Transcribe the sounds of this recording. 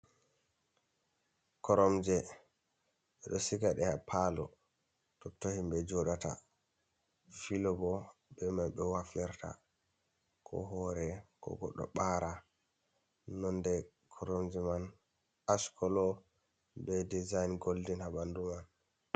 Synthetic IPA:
kɔɾɔmd͡ʒɛ | ɓɛɗɔsikaɗɛhapʰalɔ̰ | tɔtːohimbɛd͡ʒɔɗata̰ | filɔbɔɓɛmanɓɛwafɛɾtʰa̰ | kʰɔ̰ɦɔɾɛkɔ̰ɡɔɗːɔ̰ɓaɾa | nɔndɛ | kʰɔɾɔmd͡ʒɛman | askʰɔlɔ | bɛdizajnɡoldinhabanduman

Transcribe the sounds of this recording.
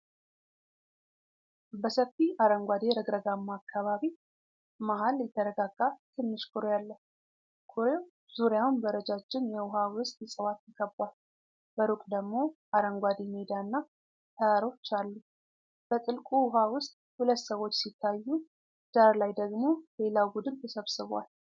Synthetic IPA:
bəsəfːiaɾəŋɡʷad̪eɾəɡɾəɡamːaːkʰːaβaβi | maɦaljɛt̪ʰːəɾəɡaɡːat̪ʰɨnːɨʃkʰuɾojalːə | kʰuɾew | z̥uɾjawnbəɾəd͡ʒat͡ʃːɪnjɛwʊɦawʊst̪ʼjɛsʼəwat̪jikʰəbal | bəɾukʼd̪əɡmo̞ | aɾəŋɡʷad̪emed̪anːa | t̪ʰəaɾo̞t͡ʃːalːu | b̥ət̪ʼɨlkʼuwʊɦawʊst̪ʼhulət̪ːsəwo̞t͡ʃːsit̪ʰːajːu | d̪̥aɾlajd̪əɡmo̞le̞lawbud̪ɨnt̪ʰəsəβsɨβa̰l

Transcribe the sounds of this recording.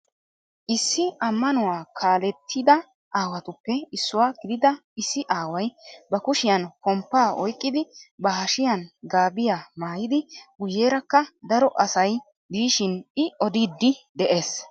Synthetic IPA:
ʔɪsːɪʔɐmːɐnʊwaːkʰaːlɛt̪ʰːɪd̪ɐ | ʔaːwɐt̪ʊpːɛɪsːʊwaːɡɪd̪ɪd̪ɐɪsːɪʔaːwɐjbɐkʊʃɪjɐnkɔmpːaːʔɔjkʼːɪd̪ɪbɐɦɐʃɪjɐnɡaːbɪjaːmaːjɪd̪ɪɡʊjːe̞ːɾɐkːɐd̪ɐɾɔʔɐsɐj | b̪iːʃɪnɪɔd̪id̪ːɪd̪ɛʔe̞ːs

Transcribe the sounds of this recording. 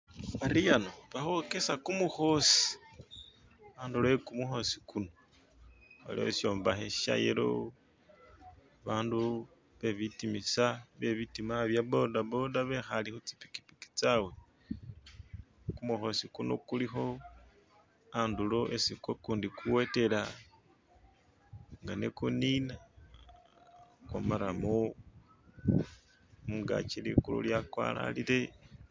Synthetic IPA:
βaɾijanoβaxo̞ke̞sakumuxo̞si̥ | anduloekumuxo̞si̥kuno | βa̰lḭho̰sjo̞ːmbaxeʃa̰jḛlo̰ | βaːndu | βe̞βitimisaβe̞βitimaβjaβo̞daβo̞daβe̞xalixut͡si̥pi̥pki̥pi̥ki̥t͡sawe̞ | kumuxo̞sikuno̰kulixo̞ | andulo̞ʔesikwokuːndikuwe̞te̞la | ŋɡanḛkunina | kwa̰maɾamu | muŋɡa̰t͡ʃilḭkṵlṵljakwa̰la̰lile̞

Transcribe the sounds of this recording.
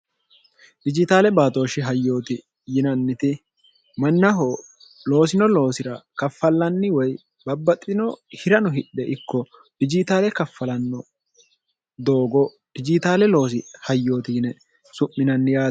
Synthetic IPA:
d̪ɪd͡ʒɪt̪aːlɛbaːt̪o̞ːʃɪɦɐjːo̞ːt̪ɪ | jɪnɐnːɪt̪ɪ | mɐnːɐɦɔ | lo̞ːsɪnɔlo̞ːsɪɾɐkɐfːɐlːɐnːɪwɔj | bɐbːɐt̪ʼːɪnɔhɪɾɐnɔɦɪɗɛʔɪkːɔ | d̪̥ɪd͡ʒɪt̪aːlɛkɐfːɐlɐnːɔ | d̪o̞ːɡɔ | d̪̥ɪd͡ʒɪt̪aːlɛlo̞ːsɪhɐjːo̞ːt̪ɪːnɛ | sʊmːɪnɐnːɪjaː

